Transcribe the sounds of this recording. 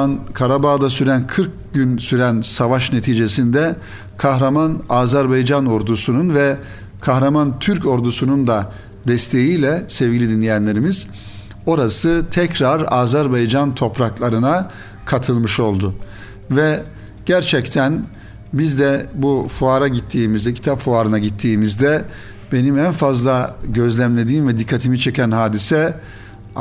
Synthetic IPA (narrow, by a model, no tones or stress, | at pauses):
nkʰaɾabaːd̪asyɾænkʰɯɾk̚ | ɟynsyɾænsavaʃne̞t̪ʰiːd͡ʒe̞sind̪ɛ | kʰaɦɾamanaːzæɾbajd͡ʒano̞ɾd̪usununvɛ | kʰaxɾamant̪ʰyɾco̞ɾd̪usunund̪a | d̪ɛst̪ʰe̞jijlʲɛsɛvɟʲilʲid̪inlʲejænlʲe̞ɾimiz̥ | o̞ɾasɯt̪ʰɛcɾaɾaːzæɾbajd͡ʒant̪ʰo̞pɾaklˠaɾɯna | kʰat̪ʰɯlˠmɯʃo̞lˠd̪ʊ | vɛ | ɟ̥æɾt͡ʃʰɛct̪ʰæn | bizd̪ɛbufuaɾaɟit̪ʰːiːmizd̪ɛcʰi̥t̪ʰapfuaːɾɯnaɟit̪ʰːiːmizd̪ɛ | be̞nimænfazlˠaɟø̞zlʲæmlʲe̞d̪iːmvɛd̪ikʰːat̪ʰimit͡ʃʰe̞cʰænɦaːd̪isɛ